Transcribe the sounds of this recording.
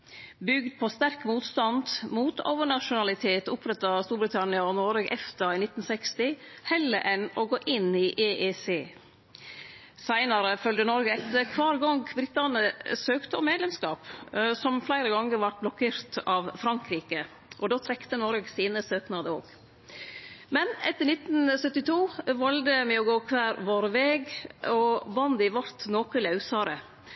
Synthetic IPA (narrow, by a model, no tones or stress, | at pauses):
bʏɡd̪̚pʰɔst̪æɾkmuːt̪st̪ɑnd̪muːt̪o̰ʊʋəɳɑʂʊnɑlɪt̪ʰeːt̪ʊpʰɾɛt̪ːɑst̪uːɾbɾɪt̪ʰɑnɪɑɔnoːɾəːɡʔɛft̪əɪnɪt̪ːn̩sɛkst̪ɪ | hɛlə̰ʔɛnɔɡoːʔɪniʔeʔeseː | sæɪnɑɾəfœld̪ənɔɾɡəɛt̪əkʰʋɑːɾɡɑŋɡbɾɪt̪lɑnəsøːkt̪əɔmeːd̪lɛmskɑːpsɔmflæɪɾəɡɑŋːəɾʋɑʈ̚blɔkʰeːɾt̪ɑʋfɾɑŋkɾiːkə | ʔɔd̪oːt̪ʰɾɛkt̪ənɔɾɡəsiːnəsøːknɑːd̪əo̰ːɡ | mɛnɛt̪ːəɳɪt̪n̩sœt̪ːɪt̪ʰuːʋɑld̪əmɛɔɡoːkʰʋæːɾʋoːɾʋɛːɡɔbɑnd̪ɪʋɑɾt̪noːkəlɑʉsɑːɾə